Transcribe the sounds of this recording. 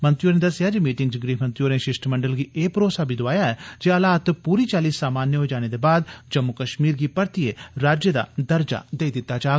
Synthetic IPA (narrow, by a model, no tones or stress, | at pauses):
mə̃nt̪ɾɪjoːɾnẽd̪əsɪjaːd͡ʒimiːʈɪŋɡd͡ʒɡɾiːmənt̪ɾijoːɾnẽːʃɪʃʈməɳɖəlɡieːpɾoːsaːbʱiːd̪ʊaːjaɛːd͡ʒeəlaːt̪puːɾiːt͡ʃaːliːsːaːmaːnjəɦoːd͡ʒaːñed̪eːbaːd̪d͡ʒəmːʊkəʃmiːɾɡiːpəɾt̪ieɾaːd͡ʒjəd̪a̰ːd̪əɾd͡ʒa̰d̪eːid̪ɪt̪ːaːt͡ʃaː